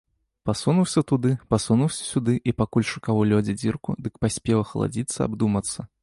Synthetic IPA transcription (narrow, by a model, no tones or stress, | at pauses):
pasunuwsʲɐt̪ud̪ɨpasunuwsʲɐ̥sʲud̪ɨʔipakulʲʂɨkawulʲɔd͡zʲid͡zʲirkud̪ɨkpasʲpʲɛwˠɐxɐ̰lˠa̰d͡zʲit̪sːɐ̰a̰bd̪umɐt̪sːɐ